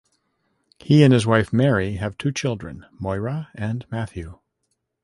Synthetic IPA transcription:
hiɨ̃nɨzwaɪfmɛɹiɨv̥tʰʉt͡ʃʰɪlˠdɹɨ̰̃n | mɔɪɹəɨ̃nmæθjʉ

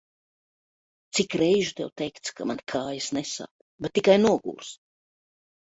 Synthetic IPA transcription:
t̪sikɾɛjʒut̪ɛwt̪ɛjkt̪skʰamankʰaːjisnɛsa̰ːp | bet̪ʲːikajnuɔɡṵːɾs

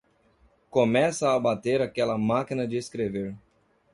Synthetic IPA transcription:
komɛsɐːbat̪eɾakɛlɐmakinɐd͡ʒɪeskɾeveɾ

